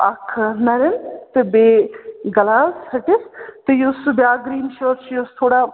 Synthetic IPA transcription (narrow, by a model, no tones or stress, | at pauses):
ɐkʰnɐɾɐnt̪ɨbeːɡɐlaːlsɐʈɪst̪ɨjusbjaːɡɾiːnʃəːɾt͡ʃʰjust̪ʰoːɽa